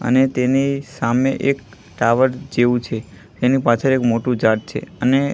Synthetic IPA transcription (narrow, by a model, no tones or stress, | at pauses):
ə̰net̪enisameʔek̚ | ʈaʋəɾd͡ʒeʋũt͡ʃʰe | t̪enipat͡ʃʰəɾekmoʈũd͡ʒaɾʈ̚t͡ʃʰḛəne